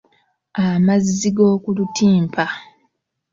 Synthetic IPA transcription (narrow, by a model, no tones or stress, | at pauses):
amazːiɡo̞ːkulutʰiːmpʰa